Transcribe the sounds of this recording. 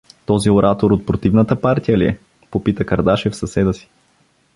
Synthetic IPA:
t̪ɔzioɾʔat̪oɾot̪̚pɾot̪ivnət̪əpaɾt̪ijəliɛ | popit̪əkɐɾd̪aʃɛfsɐsɛd̪əsi̥

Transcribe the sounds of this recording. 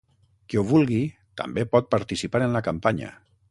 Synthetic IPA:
keuβ̞ulˠɣi | t̪a̰mbepɔt̪̚paɾt̪isipaɾənlakampaɲə̰

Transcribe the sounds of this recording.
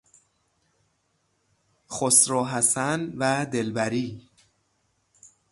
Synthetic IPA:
xosɾɒːɦæsænvæd̪e̞lbæɾiː

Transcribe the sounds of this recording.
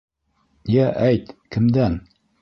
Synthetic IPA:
jæʔæjt̪kɘ̆md̪æn

